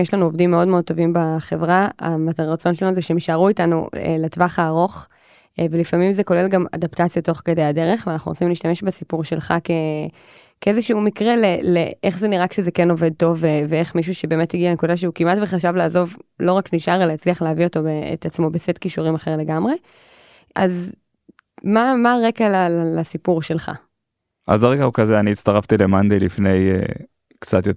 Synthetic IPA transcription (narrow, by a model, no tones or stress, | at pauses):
jeʃlanuovdimːeo̞dmeod̚t̪ːovimbaχevʁaa̰mat̪aʁat͡so̞nʃelanuzeʃemiʃaʁuitanṵḛlatvaχaːʁo̞χ | velifamimzeko̞le̞lɡama̰daptat͡sjato̞χked̪ejadeʁeχveanaχnṵʁosimliːʃt̪ame̞ʃbesipuʁʃe̞lχa̰ke | keezeʃumikʁeleleʔeχzeniʁakʃezekeno̞ved̪̚to̞veveeχmiʃuʃebeːmethiɡialenekudaʃ̬eukimatveχaʃavlaːzo̞vlo̞ʁakniʃaʁelaat͡sliaχleavio̞t̪o̞beḛt̪at͡smo̞besetkiʃuʁimaχeʁle̞ɡamʁe̞ | ʔaz | mamaʁekalallasipuʁʃe̞lχa̰ | ʔa̰zaʁeɡaukazeaniːtt͡st̪aʁaftilemand̪ejlifne̞jḛ | kt͡sat̪jo